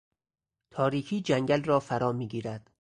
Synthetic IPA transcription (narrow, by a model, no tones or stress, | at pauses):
t̪ʰɒːɾiːkʰiːd͡ʒæŋɡælrɒːfæɾɒːmiːɡiːɾæd̪̥